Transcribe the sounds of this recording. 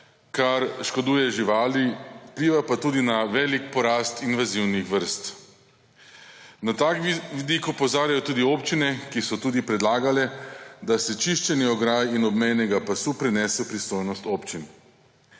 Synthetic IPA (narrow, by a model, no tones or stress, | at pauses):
kaɾʃkod̪uːjɛʒiʋaːliwpliːʋapat̪uːd̪inaʋɛːlik̚pɔɾaːst̪inʋaziwnixʋəɾst̪ | nat̪akʋid̪ikopɔzaːɾjajɔt̪uːd̪ioːpt͡ʃinɛkisɔt̪uːd̪ipɾɛd̪laːɡalɛd̪asɛt͡ʃiʃt͡ʃɛniɔɡɾaːjinɔbmɛjnɛɡapasupɾɛnɛːsɛpɾist̪ojnɔst̪oːpt͡ʃin